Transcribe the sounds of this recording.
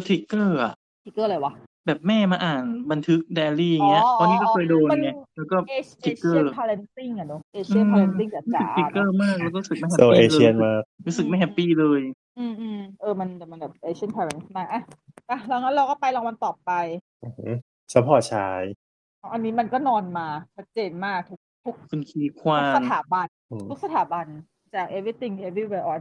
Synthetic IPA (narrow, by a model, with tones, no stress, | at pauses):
t̪ʰi˦˥kːɤː˥˩ʔa̰˨˩ʔ | t̪ʰi˧˥kːɤː˥˩lɤː˧jwa˦ | bɛː˨˩p̚mɛː˥˩maː˧ʔaː˨˩nba˧nt̪ʰɯ˦˥k̚dɛː˧liː˥˩ja˨˩ŋi˦˥ɐpʰɔ˦˥niː˦˥kɔː˥˩kʰɤː˧jdoː˧nŋa˧˩lɛː˦˥wkɔː˥˩t̪ʰi˧˦˥kːɤː˧˥˧pʰa˧le˧nsi˥˩ŋa˨˩du˨˦˩ʔeː˧ʔi˥˧˨pʰa˧le˧ni˥˩ŋa˨˩u˦aɯ˨˩˧i˦˧˩kːɤː˥˩maː˥˩k̚lːk̬ɔ˥˨ɾu˦˥s̚ma˥˩jhɛ˦o˧ʔeː˧˥i˧e˧nmaː˧˥˩k̚ɾuː˦˥sɯ˨˩k̚ma˥˩jɦɛ˦˥pːiː˥˩lɤː˧j | ʔɯː˧mʔɯ˧ʔɤː˧˩ma˧nbɛ˨˩ma˧nbɛː˨˩p̚ʔeː˧t͡ɕʰi˥ə˨npʰaː˧lɛ˧˦nsmaː˧˩ʔa˧˩ | ʔa˧˩ɾa˧˩ŋa˦˥ɾa˧wkɔː˥˩pa˧jlɔ˧ŋwa˧nt̪ɔː˨˩pːa˧j | ʔoː˧˩ho˦˥ | sʰa˧˦pʰɔː˨˩t͡ɕʰaː˦˥j | a˦˥˩ʔa˧nːiː˦˥ma˧nkɔː˥˩nɔː˧nmaː˧t͡ɕʰa˦˥t̪̚t͡ɕeː˧nmaː˥˩k̚t̪ʰu˦˥k̚t̪ʰu˦˥k̚kʰu˧nkʰiː˧kʰwaː˧˦˧st̪ʰaː˩˦ba˧n˧ | t̪ʰu˦˥k̚sa˧t̪ʰaː˨˩˦ba˧n | t͡ɕaː˨˩k̚ʔe˧wi˥˩t̪i˧˥˩ŋ˧˨ʔe˧bi˥˩weː˧ʔɔː˧˩